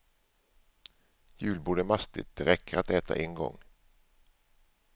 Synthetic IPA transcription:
jʉ̟ːlbuːɖəmast̪ɪ̰t̪̚d̪ɛɾɛkːəɾat̪ɛːt̪ʰa̰ʔɛŋɡɔ̰ŋː

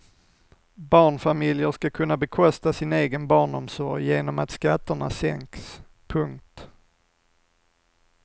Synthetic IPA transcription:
bɑːɳfamɪljəʂkakʰɵnːabɛkʰɔst̪asɪneːɡənbɑːɳɔmsɔɾjjeːnɔmat̪skat̪ːəɳa̰sɛ̰ŋks | pʰɵŋk̚t̪

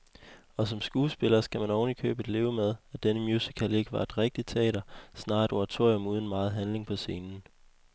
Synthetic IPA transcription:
ɒ̽sɒ̽msɡ̥uːsb̥e̝lɐsɡ̥æmænɒʊnlikʰø̰ːb̥ed̥le̝ːʊmeð̞ˠæd̥enəmjuːsikʰæle̝ɡ̥ʋɑ̈e̝d̥ʁeɡ̥̚d̥i̥t͡sʰɛ̰ːɾɐsnɑ̈ːed̥oʁɑt͡sʰo̝ɐjɔmuːð̞ˠn̩mɑ̈ːð̞̩ˠɦænle̝ŋpʰɒ̽se̝ːnn̩

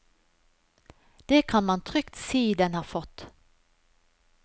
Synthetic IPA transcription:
d̪̥eːkʰɑnmɑnt̪ʰʁʏkt̪siːd̪ɛnhɑːfɔt̪

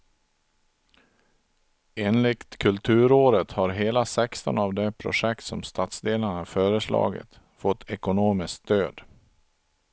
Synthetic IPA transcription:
eːnlɪkt̪kʰɵlt̪ʰʉ̟ːɾoːɾət̪haɾɦeːlasɛkst̪ɔ̰navd̪ɛpʰɾʊ̰ʂɛkt̪sɔ̰mst̪ʰat̪sd̪eːlaɳafœːɾəslɑ̰ːɡɪ̰t̪ | fɔt̪ʰːɛkʊnoːmɪsksd̪øːd̪

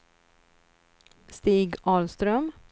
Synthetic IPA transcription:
st̪iːɡɑːlst̪ɾœm

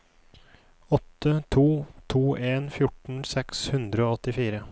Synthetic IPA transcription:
ɔt̪ʰːət̪ʰuːt̪ʰuːʔeːnfjʊʈɳ̩sɛkshʉnd̪ɾəoːɔt̪ɪfiːɾə

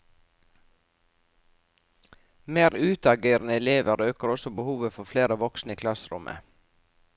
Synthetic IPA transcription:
meːɾʉːt̪ɑɡeːɾnəɛleːʋəɾøːkəɾɔsɔbəhuːʋəfɔfleːɾəʋɔksnəiːkʰlɑsɾʊ̰mʔə̰

